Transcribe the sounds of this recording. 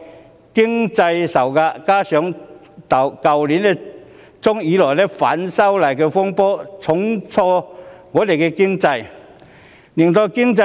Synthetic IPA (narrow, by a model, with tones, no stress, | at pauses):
kɪ˥ŋt͡sɐ˧jsɐ˨˩wkaː˧kaː˥sœː˨˥ŋ | t̪ɐ˨˧wkɐ˧wli˨˥nlɛ˥ | t͡sʊ˥ŋjiː˨˥lɔː˨˩jlɛː˥fa̰ː˨˥nsɐ˥wlaː˨˩jkɛː˧fʊ˥ŋpɔː˥t͡sʰʊ˨˥ŋt͡sʰɔː˧ŋɔː˨˧t̪e˨˩jkɛ˧kɪ˥ŋt͡sɐ˧j | ni˨˩nt̪ɔ˧kɪ˥ŋt͡s